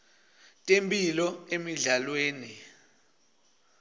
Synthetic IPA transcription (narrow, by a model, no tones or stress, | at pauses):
tʼempʼilɔemiɮalweːni